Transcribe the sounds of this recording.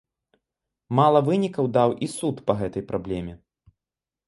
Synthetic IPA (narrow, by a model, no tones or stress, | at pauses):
malˠɐvɨnʲikɐwd̪awʔisut̪pɐɣɛt̪ɐjpɾablʲɛmʲɛ